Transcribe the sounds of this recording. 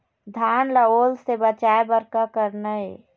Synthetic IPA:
d̪ʱaːnləoːlsebət͡ʃaːebəɾkakəɾnəe

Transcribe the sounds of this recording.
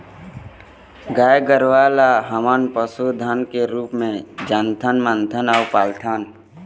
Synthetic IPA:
ɡaːjɡəɾwaːlaɦəmaːnpəsud̪ʱankeɾuːpmẽd͡ʒant̪ʰənmənt̪ʰənaʊpaːlt̪ʰaːn

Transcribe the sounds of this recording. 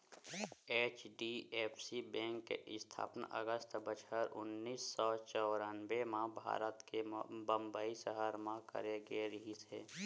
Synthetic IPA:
eːt͡ʃɖieːpʰsibɛ̃ːŋkːḛɪst̪ʰa̰ːpənə̰ɡəst̪ʰbət͡ʃʰəɾʊ̰nːiːsːɔt͡ʃɔɾanʋemãbʱa̰ːɾət̪kebə̃mbaːisəɦaɾmãkə̰ɾeɡeɾəɦisḛː

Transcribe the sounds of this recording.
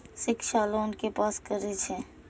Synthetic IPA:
sɪkʃaːloʊnkepaːskəɾet͡ʃʰẽː

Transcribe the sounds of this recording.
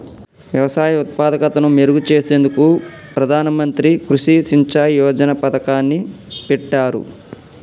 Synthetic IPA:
ʋjɐʋɐsaːjɐut̪̚paːd̪ɐkɐt̪ɐnumeɾuɡut͡ʃe̞ːse̞ːnd̪ukupɾɐd̪ʱaːnɐmɐnt̪ɾikɾuʂisiɲt͡ʃaːjjɔːd͡ʒɐnɐpɐt̪ɐkaːnːipɛʈːaːɾṵ

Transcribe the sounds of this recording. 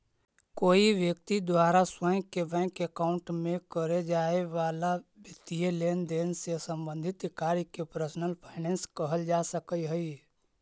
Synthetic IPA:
koːiʋjək̚t̪id̪waːɾaswə̃kebɛ̃ːkekaːʊ̃ɳʈmẽkəɾed͡ʒaːeʋaːlabɪt̪ijeleːnd̪eːnsesə̃mbə̃nd̪ʱɪt̪kaːɾkepɾəsnəlpʰaːɪnɛ̃ːnskəɦəld͡ʒaːsəkəiɦəi

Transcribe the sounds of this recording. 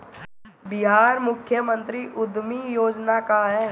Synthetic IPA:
bɪɦaːɾmʊkʰːjəmə̃nt̪ɾiʔʊd̪mijoːd͡ʒnakaɦɛː

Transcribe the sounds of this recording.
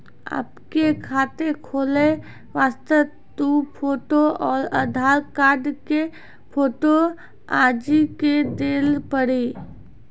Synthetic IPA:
ə̰pkekʰaːt̪ekʰoːle | ʋaːst̪ə | t̪upʰoːʈoɔːɾəd̪ʱaːɾkaːɾɖke | pʰoːʈo | aːd͡ʒiked̪eːlpəɽi

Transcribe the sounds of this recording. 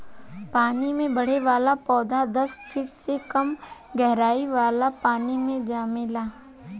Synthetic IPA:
paːnimẽbɐɽ̤eʋaːlapɔːd̪ʱad̪ɐspʰɪʈsekɐmɡɛɦɾaːiʋaːlapaːnimẽd͡ʒaːmɪlaː

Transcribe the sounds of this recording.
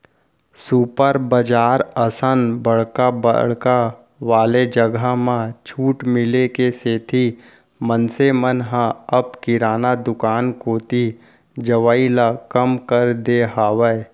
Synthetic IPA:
suːpəɾbəd͡ʒaːɾəsənbəɽ̤kabə̰ɽka | ʋaːled͡ʒəɡamãt͡ʃʰuːʈmɪlekeseːt̪ʰi | mənsemənɦãɐbkɪɾaːnad̪ʊkaːnkoːt̪i | d͡ʒəʋaːilakəmkəɾd̪eɦaːʋəe

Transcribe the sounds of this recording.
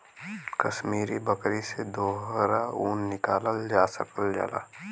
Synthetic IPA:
kəʃmiːɾibəkɾised̪oːɦɾauːnːɪkaːləld͡ʒaːsə̰kəld͡ʒa̰la̰ː

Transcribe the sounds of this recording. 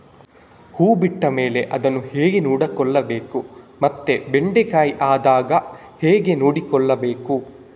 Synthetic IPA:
huːbiʈːɐme̞ːle̞ʔɐd̪ɐnːuheːɡenuːɽɐkɔɭːɐbe̞ːku | mɐt̪ːe̞beɳɖekaːjiʔaːd̪aːɡɐ | heːɡe̞nuːɽikɔɭːɐbeːku

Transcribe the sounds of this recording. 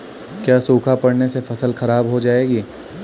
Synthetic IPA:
kjaːsuːkʰapɐɽnesefɐsəlxɐɾaːbɦod͡ʒaːeːɡiː

